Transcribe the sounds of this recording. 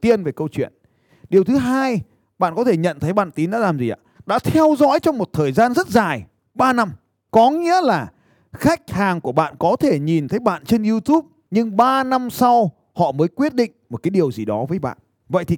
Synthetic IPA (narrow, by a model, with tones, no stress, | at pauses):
t̪i˧ənve˨˩kə˧wt͡ɕwḭ˧˨ən | ɗi˨˩əwt̪ʰɨ˨˦ɦaː˧j | ɓa̰ː˧˨nkɔ˨˦t̪ʰe˧˩ɲə̰˧˨nt̪ʰə˨˦jɓa̰ː˧˨nt̪i˨˦nɗa̰ː˧˥laː˨˩mzi˨˩ʔa̰ː˧˩ɗa̰ː˧˥t̪ʰɛ˧wzɔ̰˧˥jt͡ɕɔ˧wŋ͡mmo˨˩t̚t̪ʰəː˨˩jzaː˧nzə˦˥t̚zaː˨˩j | ɓaː˧na˧m | kɔ˨˦ŋḭ˧˥əlaː˨˩ | xa˦˥jk̟̚haː˨˩ŋku˧˩əɓa̰ː˧˨nkɔ˨˦t̪ʰe˧˩ɲi˨˩nt̪ʰə˨˦jɓa̰ː˧˨nt͡ɕe˧nʔi˧t̪u˦˥p̚ | ɲɨ˧ŋɓaː˧na˧msa˧w | hɔ̰˧˨məː˨˦jkwi˦˥ət̚ɗḭ˧˨ŋ̟mo˨˩kaː˨˦jɗi˨˩əwzi˨˩ɗɔ˨˦vəː˨˦jɓa̰ː˧˨n | və̰˧˨jt̪i˨˩